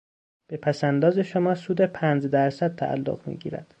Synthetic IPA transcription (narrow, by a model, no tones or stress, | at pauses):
b̥e̞pʰæsænd̪ɒːze̞ʃomɒːsuːd̪e̞pʰænd͡ʒd̪æɾsæd̪̚t̪ʰæ̰ʔæ̰lːo̰ɣmḭɟḭːɾæ̰d̪̥